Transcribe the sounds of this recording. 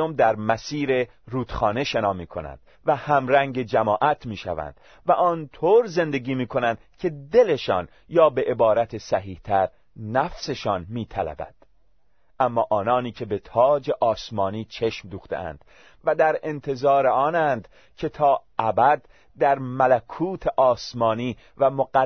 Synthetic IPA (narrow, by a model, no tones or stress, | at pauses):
omd̪æɾmæsiːɾe̞ | ɾuːd̪̥xɒːne̞ʃenɒːmiːkʰo̞̰næ̰nd̪̥ | væhæmɾæŋɟe̞d͡ʒæmɒːʔæt̪ʰmiːʃæ̰væ̰nd̪̥ | væʔɒːnt̪ʰoːɾze̞nd̪e̞ɡiːmiːkʰo̞nænd̪kʲʰe̞d̪e̞le̞ʃɒ̰ːn | jɒːbe̞ʔebɒːɾæt̪ʰesæɦiːht̪ʰæɾ | næfse̞ʃɒːnmiːt̪ʰælæ̰bæ̰d̪̥ | ʔæmːɒːʔɒːnɒːniːcʰe̞be̞t̪ʰɒːd͡ʒe̞ʔɒːsmɒːniːt͡ʃʰe̞ʃmd̪uːxt̪ḛʔæ̰nd̪̥ | væd̪æɾe̞nt̪ʰe̞zɒːɾeɒːnænd̪ | cʰe̞t̪ʰɒːʔæbæd̪ː | æɾmælækʰuːt̪ʰeʔɒːsmɒːniː | væmoɡæ